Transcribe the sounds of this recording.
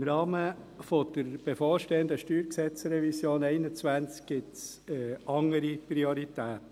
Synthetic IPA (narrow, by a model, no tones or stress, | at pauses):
mɾɑːmə | fod̪̥əɾb̥efoːɾʃteːənd̪əʃtyːɾksɛt͡sɾɛvisjoːnɛɪnət͡svænt͡sk̚ɡ̥ɪtsɛɑŋəɾipɾioɾit̪æːt̪